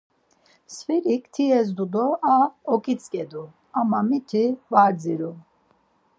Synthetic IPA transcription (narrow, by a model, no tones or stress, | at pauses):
sviɾikʰt̪ʰiɛzd̪ud̪ɔaɔkʼit͡sʼkʼɛd̪u | amamit̪ʰivaɾd͡ziɾu